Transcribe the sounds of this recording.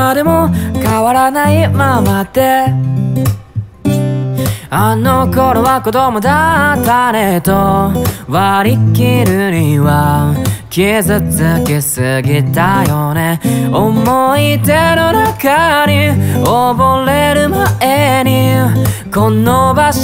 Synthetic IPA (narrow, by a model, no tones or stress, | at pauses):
ad̪e̞mokaβaɾanaimamat̪e̞ | anːokoɾoβakot̪omod̪at̪aɾet̪oβaɾikʲːiɾɯɲiβa | kʲiezɨt͡sɨkesɨɡʲit̪ajoneomoit̪enonakaɲioboɾeɾɯmaeɲ̟i | kõnːoba